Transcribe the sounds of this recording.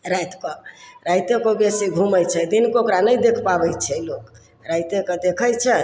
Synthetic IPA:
ɾajt̪kɔɾajt̪ekobesiɡʱuməjt͡ʃʰɛd̪inkookɾanəjd̪ekʰpabɛjt͡ʃʰɛlok | ɾajt̪ekɔd̪ekʰəjt͡ʃʰɛ

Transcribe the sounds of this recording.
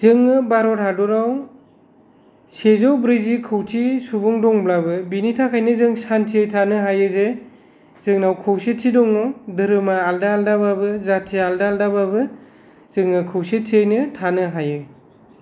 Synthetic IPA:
zɯŋːɯbaɾɔthadɔɾaw | sezɔwbɾizikʰɯwtʰisubɯŋdɔŋblabɯbinitʰakʰajnɯzɯŋsantʰiejtʰanɯɦajɯze | z̥ɯŋnawkʰɯwset̚sʰidɔŋnɔdɯɾɯmaaldaːldababɯzatʰialdaaldababɯ | z̥ɯŋːɯkʰɯwset̚tʰiejnɯtʰanɯɦajɯ

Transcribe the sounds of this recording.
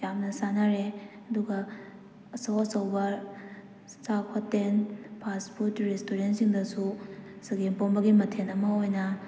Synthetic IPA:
jamnɐsanaɾeɐduɡɐ | ɐsɐwɐsɐwbɐ | sapʰɐtenpʰaspʰutɾestoɾentsiŋdɐsusɐɡenponbɐɡimɐtʰenɐmɐojnɐ

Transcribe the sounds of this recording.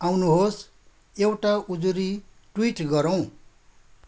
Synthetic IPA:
awnuɦos | ewʈaʔud͡zuɾi | ʈwiʈɡʌɾʌw̃

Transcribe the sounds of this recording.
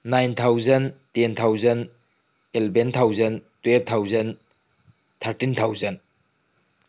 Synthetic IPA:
najnt̪ʰawzɐntent̪ʰawzɐn | elbent̪ʰawzɐntweb̚t̪ʰawzɐn | t̪ʰɐɾtint̪ʰawzɐn

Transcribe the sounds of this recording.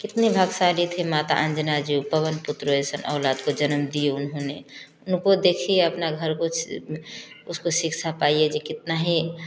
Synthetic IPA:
kɪt̪nebʱaɡsalit̪ʰɦemaːt̪a̰ʔə̃nd͡ʒnad͡ʒipəʋənpʊt̪ɾəesənʔɐ̰ʊlaːd̪kod͡ʒənəmd̪ijeʊnɦõne | ʊnkod̪ekʰieəpnaɡʱəɾko | ʊskosɪkʃʰapaːied͡ʒekɪt̪naɦĩ

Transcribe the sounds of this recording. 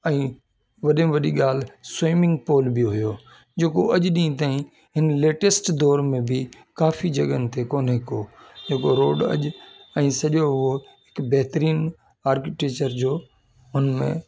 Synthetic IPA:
ɛ̃ː | ʋɐɗẽʋɐɗiɠaːl̤sojmɪ̃ŋɡpoːlbijɦʊjoː | d͡ʑeːkoʔɐʄɗĩːt̪̬aːĩ | ɦɪnleːʈesʈd̪ɔːɾmẽbʱɪ | kaːfid͡ʑɐɠənt̪ʰekoːnɦɪkoːd͡ʑeːkoɾoːɖɐ̰ʄɛ̃ːsɐʄoɦʊɦoɦɪkbɛɦt̪əɾiːn | aːɾkɪʈeːkt͡ɕəɾd͡ʑoː | ʊnmḛ̃

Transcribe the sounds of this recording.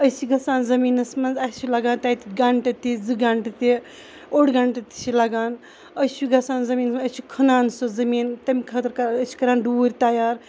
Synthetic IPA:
əsʰiɡɐsaːnzɐmiːnɐsmɐnzat͡ʃʰilaɡaːnt̪ait̪iɡaɳʈɐt̪id͡zɨɡaɳʈɐt̪i | oɽɡaɳʈɐt̪i̥t͡ʃʰilɐɡaːn | əjt͡ʃʰuɡɐsaːnzɐmiːnɐsmət͡ʃʰikʰɐnaːnsozɐmiːnt̪ɐmikʰɐt̪ɾkɐəsʰi̥kɐɾaːnɖuːɾʲt̪ajaːɾ

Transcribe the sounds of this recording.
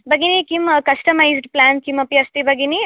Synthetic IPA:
bɐɡinikimkɐsʈɐmajzɖplaːnkimɐpiɐst̪ibɐɡini

